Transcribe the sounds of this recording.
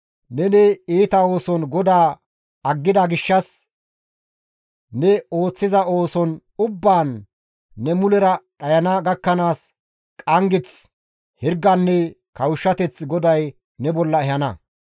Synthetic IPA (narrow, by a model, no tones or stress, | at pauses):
nɛnɛiːt̪ɐo̞ːsɔnɡɔd̪aː | ɐɡːɪd̪ɐɡɪʃːɐs | nɛo̞ːt͡sːɪzɐo̞ːsɔnʊbːaːnː | ɛmʊlɛɾɐɗɐjɐnɐɡɐkːɐnaːs | kʼɐŋɡɪt͡s | hɪɾɡːɐnːɛ | kɐwʃːɐt̪ɛt͡sɡɔd̪ɐj | nɛbɔlːɐɛhɐnɐ